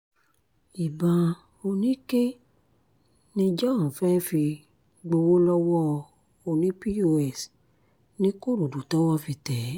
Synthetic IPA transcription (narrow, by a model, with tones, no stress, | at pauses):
i˨bã˨ | o˧nĩ˦ke˦ | nĩ˧d͡ʒa˦ã˨fɛ˦fi˧ | ɡ͡bo˧wo˦lɔ˦wɔ˦˧ | o˧nĩ˨˦pi˦o˧ɛ˦˨s | nĩ˦ko˦˨ɾu˨du˨tɔ˦wɔ˦fi˧tɛ˨˦